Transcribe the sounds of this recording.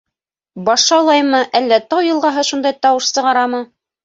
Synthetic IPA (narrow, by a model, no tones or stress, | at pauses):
bɑʃɑlˠɑjmɤʔælːæt̪ɑwjɤ̆lˠʁɑɦɤʃund̪ɑjt̪ɑwɤʃsɤ̆ʁɑɾɑmɤ